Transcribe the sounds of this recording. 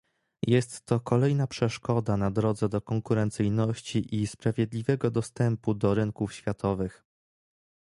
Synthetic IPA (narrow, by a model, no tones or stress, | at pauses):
jɛst̪ːɔkɔlɛjnapʂɛʂkɔd̪anad̪ɾɔd̪zɛd̪ɔkɔŋkuɾɛnt̪sɘjnɔɕt͡ɕiʔispɾavʲjɛd̪lʲivɛɡɔd̪ɔst̪ɛmpud̪ɔɾɘŋkufɕfʲjat̪ʰɔvɘx